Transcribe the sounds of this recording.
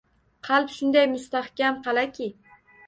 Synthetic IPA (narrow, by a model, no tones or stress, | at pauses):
qʰɑlˠpʃʊnd̪ajmʊst̪ahkʲamqɑlˠakʲʰɪ